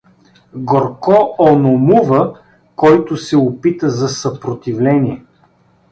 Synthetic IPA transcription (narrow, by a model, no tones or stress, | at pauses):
ɡoɾkɔonomuvə | kɔjt̪ʊsɛopit̪əzɐsɐpɾot̪ivlɛnʲiɛ